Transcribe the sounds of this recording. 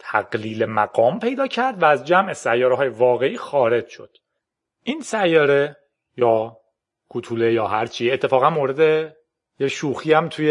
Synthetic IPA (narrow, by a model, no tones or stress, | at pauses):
t̪ʰæɡliːlemæɡɒːmpʰe̞jd̪ɒːcʰæɾd̪væːzd͡ʒæmʔe̞sæjːɒːɾeɒːjevɒːɣe̞iːxɒːɾe̞d͡ʒʃo̞̰d̪̥ | ʔiːnsæjːɒːɾe | jɒː | kʰut̪ʰuːlejɒːɦæɾt͡ʃʰiːet̪ʰːe̞fɒːɣænmoːɾe̞d̪e | jeʃuːxiːæmt̪ʰuje